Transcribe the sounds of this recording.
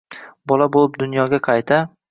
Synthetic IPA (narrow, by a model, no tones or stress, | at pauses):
bɒlabolˠɪp̚d̪ʊnjɒɡʲaqʰɑjt̪ʰa